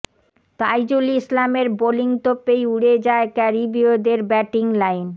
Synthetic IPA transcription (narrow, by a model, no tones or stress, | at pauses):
t̪ajd͡ʑulislameɾboliŋt̪opːejuɽed͡ʑaekɛɾibiod̪eɾbɛʈiŋlajn